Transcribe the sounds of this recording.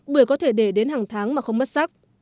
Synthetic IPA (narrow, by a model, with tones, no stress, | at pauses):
ɓɨ˧˩əjkɔ˨˦t̪ʰe˧˩ɗe˧˩ɗe˨˦nhaː˨˩ŋt̪ʰaː˨˦ŋmaː˨˩xə˧wŋ͡mɓə˦˥t̚sa˦˥k̚